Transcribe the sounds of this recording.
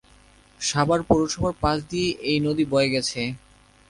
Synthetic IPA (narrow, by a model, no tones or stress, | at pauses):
ʃabaɾpoɾoʃɔbaɾpãt͡ɕd̪ieʔejnod̪ibɔeeɡɛt͡ɕʰe